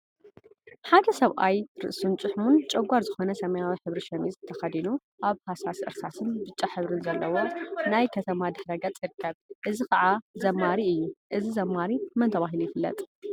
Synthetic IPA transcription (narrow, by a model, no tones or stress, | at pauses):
ħad̪ɐsɐβʔajɾɨ̰ʔsunt͡ʃʼɨħmunt͡ʃʼɐɡʷaɾzɨxonɐsɐmɐjawiħɨβɾiʃɐmizɨt̪ʰɐxɐd̪inu | ʔaβhasasʔɨ̰ɾsasɨnbɨt͡ʃʼːaħɨβɾɨnzɐlːɐwo̞najkʰɐt̪ʰɐmad̪ɨħɾɐɡɐt͡s̪ʼjiɾɨkʰːɐβʔɨzikʰɐʕazɐmːaɾiɨjːuʔɨzizɐmːaɾimɐnt̪ʰɐβaɦilujɪfɨlːɐ̰t̪ʼ